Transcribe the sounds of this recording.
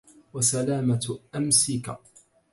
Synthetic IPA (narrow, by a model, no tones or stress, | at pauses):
wasalaːmatʔamsɪka